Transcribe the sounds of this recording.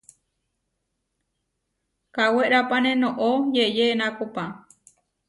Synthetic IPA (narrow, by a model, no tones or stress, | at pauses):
kaweʔɾapanẽnõʔojejenãkopã